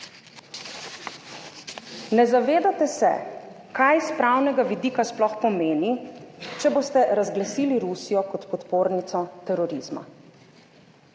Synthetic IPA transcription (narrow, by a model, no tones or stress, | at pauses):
nɛzaʋeːd̪at̪ɛsɛ̰ | kajspɾawnɛɡaʋid̪iːkasplɔxpɔmeːnit͡ʃɛboːst̪ɛɾazɡlasiːliɾusijɔkɔt̪pɔt̪poːɾnit̪sɔt̪ɛɾɔɾiːzma̰